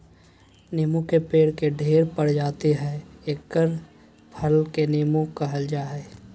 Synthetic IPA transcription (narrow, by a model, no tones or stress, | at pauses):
niːmũkepeːɽkeɖʱeːɾpəɽd͡ʒaːt̪iɦɛːeːkːəɾ | pʰəlkeniːmõkɐɦəld͡ʒaɦɛː